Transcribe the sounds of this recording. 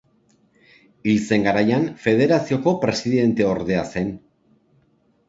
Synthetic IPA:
ilt͡se̞ŋɡaɾajanfe̞ð̞e̞ɾasio̞ko̞pɾe̞siðe̞nt̪e̞o̞ɾðe̞ase̞n

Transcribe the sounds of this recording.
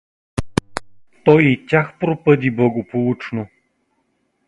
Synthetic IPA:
t̪ɔjit̪ʲaxpɾopəd̪ʲiblˠɐɡopolˠut͡ʃno

